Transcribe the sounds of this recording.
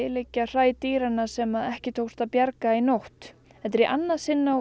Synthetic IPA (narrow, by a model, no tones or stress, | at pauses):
ɪlecːar̥aːjt̪iːɾanːasɛmaðɛhcɪt̪ʰowst̪apjaɾkainowht̪ | ɛt̪ɾiʔanːasɪnːaw